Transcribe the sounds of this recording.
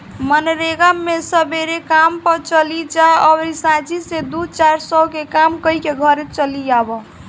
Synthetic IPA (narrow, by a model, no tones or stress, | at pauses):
mənɾeɡamːesəbeɾekampəɾt͡ʃəlid͡ʒaɔbɾisãt͡ʃised̪ut͡ʃaɾsəkekamkəikeɡʱʌɾet͡ʃəlijabɔ